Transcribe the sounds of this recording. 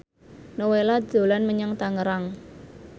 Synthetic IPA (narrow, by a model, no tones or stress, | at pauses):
nowelad͡ʒ̥o̤lanməɲəŋt̪aŋəɾaŋ